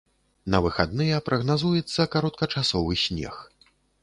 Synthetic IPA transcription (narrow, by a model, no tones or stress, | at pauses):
nɐvɨxad̪nɨjɛpɾɐɣnazujɛt̪sːɐkaɾɔt̪̚kɐt͡ʂasɔvɨsʲnʲɛ̰x